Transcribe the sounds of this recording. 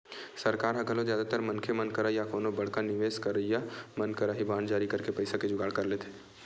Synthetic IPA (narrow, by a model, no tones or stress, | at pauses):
sɐɾkaːɾɦɐkəlõzjaːd̪at̪əɾmɐnkʰemɐnkəɾajakoːnobɐɽ̤kanɪʋeːskɐɾəijamənkəɾaɦibãːnd͡ʒaːɾikɐɾkepɐɪsaked͡ʒʊɡaːɽkɐɾleːt̪ʰe̥ː